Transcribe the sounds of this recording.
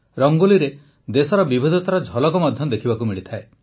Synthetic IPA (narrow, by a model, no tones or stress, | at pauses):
ɾɔŋɡoliɾe | d̪esɔɾɔbibʱid̪ʱɔt̪aɾɔd͡ʒʱɔlɔkɔmɔd̪ʱjɔd̪ekʰibakumiɭit̪ʰae